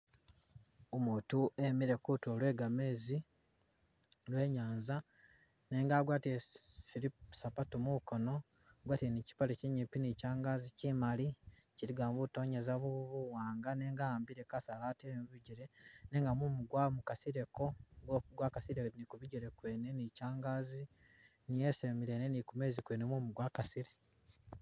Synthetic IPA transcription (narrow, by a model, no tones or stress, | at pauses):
omuːtuʔemiɾe̞kutolwe̞ːɡameːzi | lwe̞ːɲaːnza | ne̞ːŋɡaːɡwaːtiesilisapatumukono̞ | ɡwaːtienici̥paleciɲipinicaːŋɡazicimaliciɾiɡaːmbuto̞ːɲezaβuβuwaːŋɡaneːŋɡambiɾekasalaːteɾemuβiɟiɾene̞ŋɡamumuɡwamukasiɾe̞ko̞ɡokuɡwakasiɾenikuβiɟiɾe̞kweːne̞nicaːŋɡaːzi | nijesemiɾeːnenikume̞ːzikweːnemumuɡwakasiɾe